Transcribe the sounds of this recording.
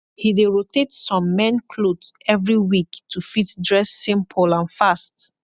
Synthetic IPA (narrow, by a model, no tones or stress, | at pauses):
hideɹotetsɔ̃mːɛ̃nkʰlodɛvɹiwiktʰufitdɹɛsːĩmpʰɔlãnfast